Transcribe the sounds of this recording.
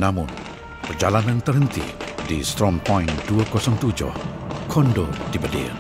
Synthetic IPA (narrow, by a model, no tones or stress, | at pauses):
namun | pərd͡ʒalanant̪ərhənt̪ḭdist̪ɾɔŋpɔjnduakɔsɔŋt̪ud͡ʒɔ̰hkʰɔndodibədḭ